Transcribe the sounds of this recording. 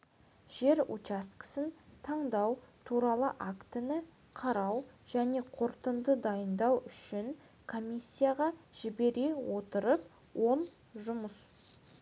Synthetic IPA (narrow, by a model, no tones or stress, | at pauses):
ʒe̞ɾṵt͡ʃast̪kɪ̥sɪnt̪ʰɑɴd̪ɑwt̪ʰuɾɑlˠəʔakt̪ənə | qʰɑɾɑwʒ̥æne̞qʰo̞ɾt̪ənd̪əd̪ɑjənd̪ɑwʏʃɪŋ | kʰomʲisʲːijaʁɑʒ̥ɪbe̞ɾe̞wo̞t̪əɾəp̚ | wo̞n | ʒʊməs